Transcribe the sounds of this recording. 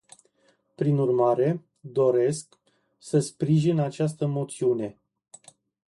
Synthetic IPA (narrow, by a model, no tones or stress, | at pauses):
pɾinurmaɾe̞ | d̪o̞ɾe̞sk | səspɾiʒinat͡ʃast̪əmo̞t̪siune̞